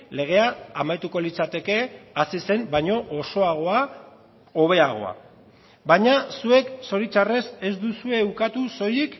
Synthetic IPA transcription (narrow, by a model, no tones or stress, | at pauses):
le̞ɣ̞e̞aːmajt̪uko̞lit͡sat̪e̞ke̞asise̞mbajɲo̞ʔoso̞aɣ̞o̞a | o̞βe̞aɣ̞o̞̰a̰ | baɲasue̞kso̞ɾit͡ʃare̞se̞zd̪usue̞ukat̪uso̞jik